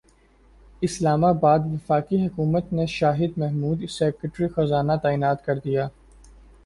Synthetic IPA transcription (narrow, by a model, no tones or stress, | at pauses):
ɪslaːmabaːd̪ʋɪfaːkiɦʊkuːmət̪neʃaːɦɪd̪mɛɦmuːd̪sɛːkəʈɾixɐzaːnat̪aːiːnaːt̪kɐɾd̪ijaː